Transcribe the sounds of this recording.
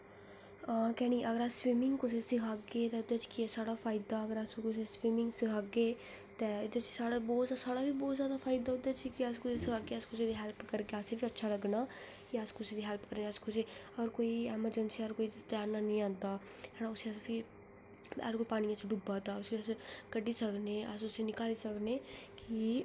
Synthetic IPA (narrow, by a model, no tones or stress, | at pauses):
akɛːñiːʔəɡəɾaːswiːmɪŋɡkʊseːsɪkʰaːɡeːt̪ɛːʊd̪eːt͡ʃkɪsaːɽaːfʰaːɪd̪aːəɡəɾaskʊseːswiːmɪ̃ŋɡsɪkʰaːɡeː | t̪ɛːʊd̪eːt͡ʃsaːɽabɔːt̪ːsaːɽaːbiːbɔːt̪zjaːd̪aːpʰaːɪd̪aːɦʊd̪aːt͡ʃikɪəskʊseːsɪkʰaːɡeːəskʊseːd̪iːɦɛːlpkəɾkeaːseːpiətːʃʰaːləɡnaː | kiaskosed̪iɦɛlpkəɾneəskoseɔːɾkoːiɛːməɾd͡ʒənsiɔːɾkoːit̪aːnaːnĩːãːnd̪aː | saːɽaːʊsesbʰi | ɛ̰ːlkʊlpaːñiːəseɖubat̪aːʊskːəskəɖiːsəkneːə̰sʊsenɪkaːliːsəkneːki